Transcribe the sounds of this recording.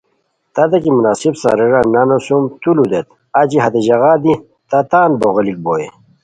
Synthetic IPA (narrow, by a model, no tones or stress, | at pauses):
t̪ɐd̪ɐkimunaːsibsa̰ɾeɾanɐnosumt̪ulud̪et̪ | ad͡ʑiɦɐt̪eʑɐɣad̪i | t̪at̪aːnboɣɐlik̚boːe